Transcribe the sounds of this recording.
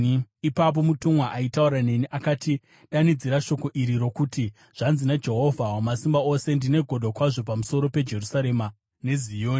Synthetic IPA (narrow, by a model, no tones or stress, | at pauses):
ipap̬o̞mutumwaʔaitauɾane̞niʔakaːti | ɗanid͡ziɾaʃo̞ko̞ʔiɾiɾo̞kuti | ʐ̥anzinad͡ʒe̞ɦo̞vʱawomasimbao̞se̞ndine̞ɡʱo̞dʱokwaʐo̞pamuso̞ɾo̞pe̞d͡ʒe̞rusaɾe̞ma | ne̞zijoːni